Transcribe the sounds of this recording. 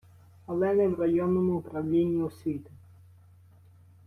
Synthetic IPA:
ɐlˠɛnɛwɾɐjɔnːɔmʊʊpɾɐwlʲinʲːiʊsʲʋʲit̪ʊ

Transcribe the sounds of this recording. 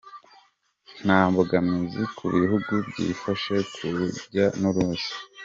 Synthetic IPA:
n̥aːmbuɡamizikʰuβihuɡubɟḭːfaʃekʰuɟanuɾuzi̥

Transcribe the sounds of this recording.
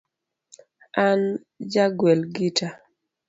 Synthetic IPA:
an | d͡ʒaɡwɛlɡitʰa

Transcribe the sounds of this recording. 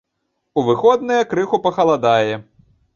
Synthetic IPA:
uvɨxɔd̪nɐjɐkɾɨxupɐxɐlˠad̪ajɛ

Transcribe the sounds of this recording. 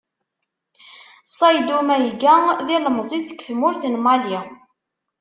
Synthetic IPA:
sˤɑjd̪umæjɡæðiləmzˤisə̥kːθmʊɾθənmɑlji

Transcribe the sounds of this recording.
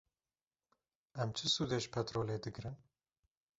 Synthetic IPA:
ɛmt͡ʃʰɨsuːd̪eʒpʰɛt̪ɾoːleːd̪ɨɡɾɨn

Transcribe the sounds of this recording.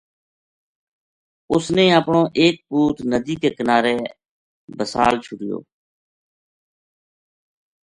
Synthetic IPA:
ʊsnẽːəpɳõːʔeːk̚puːt̪nəd̪iːkeːkənaːɾeː | bəsa̰ːlt͡ʃʰʊʈɪjo̰ː

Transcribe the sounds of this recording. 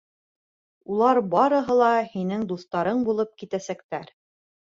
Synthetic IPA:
ulˠɑɾbɑɾɤ̆ɦɤ̆lˠɑhinɘŋd̪ust̪ɑɾɤɴbulˠɤp̚kit̪æsæk̚t̪æɾ

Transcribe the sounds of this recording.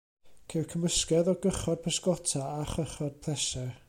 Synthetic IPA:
kʰerkʰəməskɛðɔɡəχɔd̚pʰəskɔtʰaaχəχɔd̥̚pʰlˠɛsɛ

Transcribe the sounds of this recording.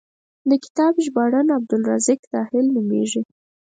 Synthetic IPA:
d̪əkɪ̥t̪ɑbʒbɑɽanab̚d̪ʊlɾɑzɪkt̪ɑhɪlnumḛʒi

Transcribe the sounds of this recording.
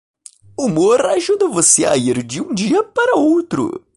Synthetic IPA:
umoɾaʒud̪ɐvosea̰iɾd͡ʒɪũd͡ʒiɐpaɾɐowt̪ɾʊ̰

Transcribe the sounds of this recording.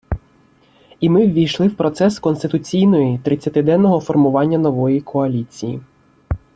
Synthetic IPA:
imɪwʲʋʲijʃlˠɪwpɾɔt̪sɛskɔnst̪ɪt̪ʊt͡sʲijnɔjit̪ɾɪt͡sʲːɐt̪ɪd̪ɛnːɔɦɔfɔrmʊʋɑnʲːɐnɔʋɔjikʰɔɐlʲit͡sʲijḭ

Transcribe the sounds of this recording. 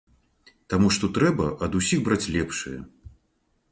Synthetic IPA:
t̪amuʂt̪ɔt̪ɾɛbɐʔɐd̪usʲiɣbɾat͡sʲlʲɛpʂɨ̰jɐ̰

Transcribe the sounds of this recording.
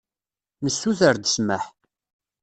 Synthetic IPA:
nəsːuθəɾd̪əsməħ

